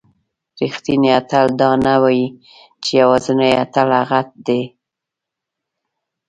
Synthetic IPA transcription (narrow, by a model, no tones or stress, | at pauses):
ɾixt̪iniat̪ald̪ɑnawaji | t͡ʃejawɑzənajat̪alaɣat̪̚d̪e